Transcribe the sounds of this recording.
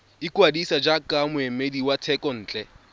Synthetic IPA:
ɪkwadisad͡ʒakʼamʊemediwatʰɛkʼɔn̩ːt͡ɬʼɛ

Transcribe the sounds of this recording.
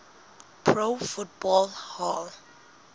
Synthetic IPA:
pʰɹofut̚bɔlhɔl

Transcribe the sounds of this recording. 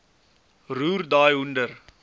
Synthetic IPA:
ruːrdaːjundər

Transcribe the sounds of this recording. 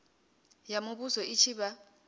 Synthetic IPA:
jamuβuzɔit͡ʃʰiβa

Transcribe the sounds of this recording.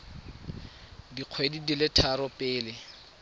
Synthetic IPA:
diq͡χʰwedidilɪtʰaɾɔpʼɪːlɪ

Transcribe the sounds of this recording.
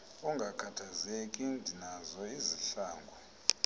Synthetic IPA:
uŋɡʱakʰatʰazekʼindʱinazɔiziɬaːŋɡʱɔ

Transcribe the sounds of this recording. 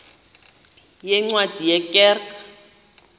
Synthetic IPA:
jɛŋ͡ǀwad̥ʱijɛkʼɛːrka

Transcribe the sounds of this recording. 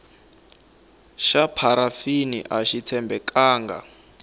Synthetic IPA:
ʃapʰaɾafinḭʔaʃitʰɛmbɛkaːŋɡa̰

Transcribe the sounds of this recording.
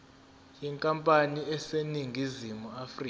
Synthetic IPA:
jɛŋkʼampʼaniɛseniŋʱizimuafriː

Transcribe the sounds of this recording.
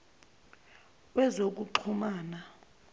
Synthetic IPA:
wɛzok̬uǃʰumaːna

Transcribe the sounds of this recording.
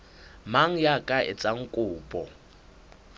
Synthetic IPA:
maŋ̩jakʼaʔɪ̰t͡sʼaŋ̩kʼʊːpʼɔ

